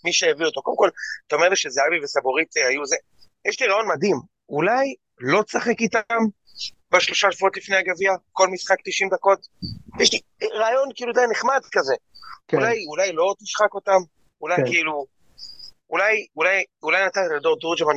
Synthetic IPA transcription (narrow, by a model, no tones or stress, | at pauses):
miʃejavio̞t̪o̞kodemko̞lt̪aomeʁliʃezeavivesaboʁit̪ehajuze | jɛʃliʁajo̞nmad̪im | ulaj | lo̞t͡saχekitam | baʃlo̞ʃaʃvuo̞t̪lifneaɡaviako̞lmisχak̚t̪iʃimd̪ako̞tjɛʃli | ʁaːjo̞nkiiludajaneχmadkazekulajulajlo̞t̪iʃχako̞tam | ulajkiilu | ulajulajulajnat̪anad̪oʁt̪uʁd͡ʒaman